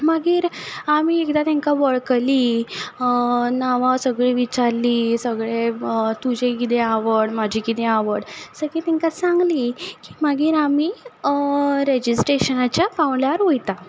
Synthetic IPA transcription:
məɡiːɾamiekd̪at̪ẽŋkaʋəɭkliː | naʋasəɡɭiʋit͡ɕaɾliːsəɡɭet̪ud͡ʑekit̪eaʋəɽmad͡ʑʱikit̪eaʋəɽsəɡet̪ɛŋkasaŋɡliːkimaɡiːɾami | ɾed͡ʑisʈɾeɕənat͡ɕjapaʋljaɾɦojt̪a

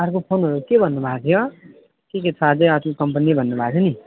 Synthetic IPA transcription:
ʌɾkopʰonɦʌɾukebʱʌnːubʱat̪ʰjo | keket͡sʰʌːd͡zeʌt̪ikʌmpʌnibʱʌnːubʱatʰeoni

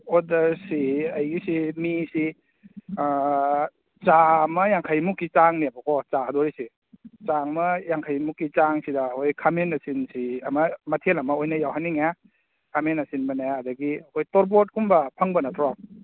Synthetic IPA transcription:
ɔdɐɾsiajɡisimisi | t͡ʃamɐjaŋkʰajmukːit͡ʃaŋniabakʰɔt͡ʃaːdoɾisi | t͡ʃaŋmɐjaŋkʰajmukːit͡ʃaŋsidɐːkʰojkʰamenɐsinsiɐmɐmɐtʰelɐmɐojnɐjawɦanːiŋa | kʰamenasinbɐnajaadɐɡiɐkʰojtɔɾb̬ot̚kumbɐpʰaŋbɐnɐtʰɾa

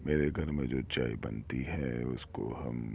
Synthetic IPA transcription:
meːɾeɡʱɐɾmẽd͡ʒoːt͡ʃaːibɐ̰nt̪iɦɛʊsko̰ɦɐ̰m

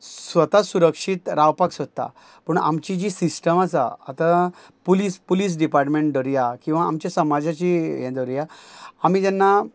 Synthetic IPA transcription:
sʋət̪asuɾəkʂiːt̪ɾawpaksot̪ːa̰ | pəɳa̰mt͡ɕid͡ʑisisʈəmat͡sa̰a̰t̪a | puliːspuliːs̬ɖipaɾʈmeɳʈɖəɾjakĩw̃ʋaamt͡ɕjasəmad͡zat͡ɕijɛ̰̃d̪əɾjaamid͡ʑɛnːa

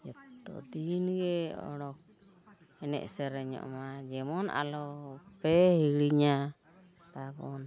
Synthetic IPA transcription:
d͡ʒɛt̪ːɔ̰d̪inɡɛɔ̰ɽɔk̚ | ɛnɛ̰ʔsɛɾɛɲɔ̰ʔmad͡ʒɛmɔnʔa̰lɔpɛhiɽiɲa | t̪abɔn

